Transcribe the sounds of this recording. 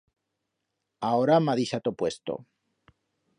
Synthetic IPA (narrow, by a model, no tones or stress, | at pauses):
aoɾamaðisat̪opwe̞st̪o̰